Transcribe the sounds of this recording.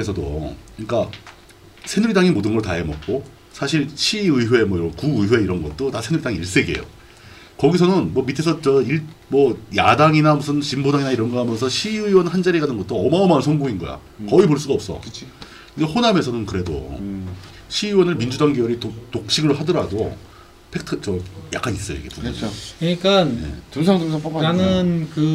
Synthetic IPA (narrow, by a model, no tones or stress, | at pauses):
esʰʌdo̰ɯɲik͈a | sʰe̞nuɾidaŋimodɯnɡʌɭta̰emʌk̚k͈o | sʰaɕʰiɭɕʰiɯiɦwe̞mwʌiɾʌnkuɯwe̞iɾʌnɡʌt̚t͈onasʰe̞nuɾidaŋiiɭs͈e̞ɡie̞̰jo̰ | kʌɡisʰʌnɯnmʌmitʰe̞sʰʌt͡ɕʌiɭmʌjadaŋinamus̬ʰɯnt͡ɕimbodaŋinaiɾʌnɡʌɦamjʌnsʰʌɕʰiɯiwʌnɦand͡ʑaɾiɡanɯnɡʌt͈oʌmaomansʰʌŋɡoŋinɡʌ̰ja̰ | kʌipoɭs͈uɡaʌp̚s͈ʌ̰ɯt͡ɕʰi | kɯdehoname̞sʰʌnɯnkɯɾe̞do̰ | ɕʰiiwʌnɯɭmind͡ʑudaŋɡeuɾitotok̚ɕ͈ʰiɡɯɭɦadʌɾado̰ | pʰe̞k̚tʰɯt͡ɕʌja̰k͈anis͈ʌjo̰ḭɡepuukɯɲik͈anje̞̰tusʰaŋtusʰaŋp͈okananɯnkɯ